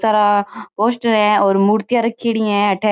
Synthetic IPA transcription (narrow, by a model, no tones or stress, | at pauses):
saːɾaoːʃʈəɾɛ̃ɔːɾmuːɾt̪ɪjaɾəkʰːiːɽɪjãɛ̃əʈʰɛ